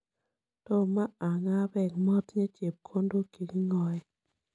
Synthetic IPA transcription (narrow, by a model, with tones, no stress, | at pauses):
tɔ˦ma˦a˨ŋa˦bɛ˨kmɔ˦tɲe˦t͡ʃe˨p̚kʰo˦ndo˦ki˨ki˦ŋɔ˨j